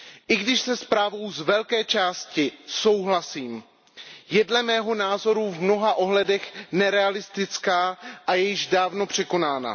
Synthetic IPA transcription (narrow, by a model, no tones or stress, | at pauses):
ʔɪɡdɪʃsɛspɾaːvo̞wzvɛlkɛːt͡ʃaːscɪso̞wɦlasiːm | jɛdlɛmɛːɦo̞naːzo̞ɾuvmno̞ɦaʔo̞ɦlɛdɛxnɛɾɛalɪst̪ɪt͡skaːʔajɛjɪʒdaːvno̞pr̝̥ɛko̞naːna̰